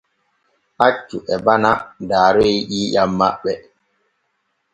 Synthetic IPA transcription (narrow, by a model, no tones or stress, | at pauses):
ʔat͡ʃːuʔɛbanadaːɾɔiɗiːjamːaɓːɛ